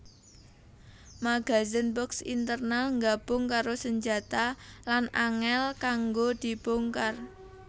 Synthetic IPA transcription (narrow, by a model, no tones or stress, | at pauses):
maɡ̥a̤zənbɔksḭnt̪ərnalŋɡab̥ʊŋkaɾosəɲd͡ʒat̪alanaŋɛlkaŋɡod̪̥i̤b̥oŋkar